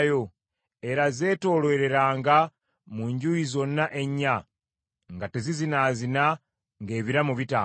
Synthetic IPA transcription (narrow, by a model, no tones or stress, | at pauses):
jo̞ | e̞ɾaze̞ːto̞ːlwe̞ːɾe̞ɾaːŋɡa | muɲɟujizo̞nːaʔe̞ɲːa | ŋɡatezizinaːzina | ŋɡe̞ːβiɾamuβita